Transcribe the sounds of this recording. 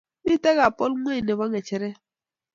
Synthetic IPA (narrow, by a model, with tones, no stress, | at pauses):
mi˦te˦ɣa˨pɔ˦lŋʷ˦e˦˨ne˨βa˦ŋe˨t͡ʃɛ˦ɾɛ˦